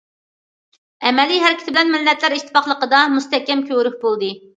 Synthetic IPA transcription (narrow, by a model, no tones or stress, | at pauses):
ɛmɛlijɦæɾɪkʲʰɪt̪ɪbɪlɛnmɪlːɛt̪ʰlæɾiʃt̪ʰːɪ̥pɑχlˠəqəd̪ɑmust̪ɛhkʲɛmkʲʰøwɾyk̚ʲbolˠd̪ɨ